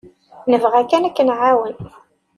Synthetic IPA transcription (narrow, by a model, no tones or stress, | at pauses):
nəvʁækːænækːənʕawən